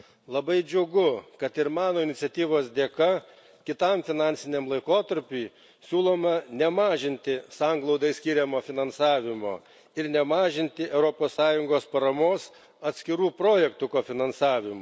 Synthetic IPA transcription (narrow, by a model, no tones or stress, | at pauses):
lˠɐbɐɪd͡ʒʲʊɡʊkɐt̪ɪɾmɑːnoːɪnʲɪt̪sʲɛt̪ʲiːʋoːsd̪ʲeːkɐ | kʲɪt̪ɐmfʲɪnɑːnʲsʲɪnʲɛmlˠɐɪkoːt̪ɐɾʲpʲʊj | sʲuːlˠoːmɐnʲɛmɑːʒʲɪnʲt̪ʲɪsɑŋɡlˠɒʊd̪ɐɪsʲkʲiːɾʲɛmoːfʲɪnɐnsɑːʋʲɪmo̰ː | ɪɾnʲɛmɑːʒʲɪnʲt̪ʲɪʔɛʊɾoːpoːssɑːjʊŋɡoːspɐɾɐmoːs | ɐt̪ʲsʲkʲɪɾuːpɾoːjɛkt̪ʊkoːfʲɪnɐnsɑːʋʲɪmʊ